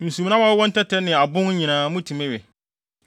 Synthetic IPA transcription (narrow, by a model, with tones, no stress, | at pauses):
ñ̩˨su˨m˨nã˦aː˦wwɔ̃˦n̩˦tʰɛ˦tʰɛ˦nɪ̃˨a˨bʊ̃˦ŋ˦ɲĩ˨nãː˨˦mũ˦tʰĩ˨mɛ̃˦ɥɛ˨